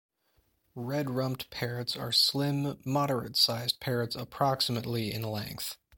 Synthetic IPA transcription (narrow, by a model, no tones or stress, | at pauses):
ɹɛd̚ɹʌ̃mp̚tpʰɛɹɨtsə̰˞slɪ̃mːɑɾə˞ɨ̰tsaɪzpʰɛɹɨtsəpʰɹ̥ɑksəmɨtˡliɪ̰̃nlɛ̰̃ŋk̚θ